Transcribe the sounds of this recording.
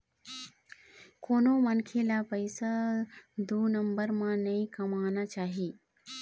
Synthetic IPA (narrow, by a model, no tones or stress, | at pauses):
koːnomɐnkʰelapəɪsa | d̪uːnɐmbəɾmãnɐĩkɐmaːnat͡ʃaːɦiː